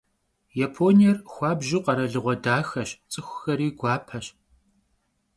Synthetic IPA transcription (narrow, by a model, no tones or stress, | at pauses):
japʰoːnijɛrxʷɑːbʒuqɐɾɐɮɨʁʷɔdaːxɐɕt͡sʼɨxʷʊxɐɾiːɡʷɑːpʰɐɕ